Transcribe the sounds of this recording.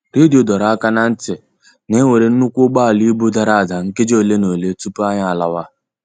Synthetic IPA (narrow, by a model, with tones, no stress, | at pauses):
ɾi˦di˨o˨dɔ˨ɾa˨˦ka˦na˦n̩˦tɪ˨ | ne˦we˨ɾe˨n̩˦nu˦kʷʊ˦ɡ͡ba˦˨li˦bu˦da˦ɾa˦˨da˨ŋ̩˦ke˦d͡ʒo˦˨le˦no˨le˦tu˦pʊ˦a˦ɲa˦˨a˨la˨wa˦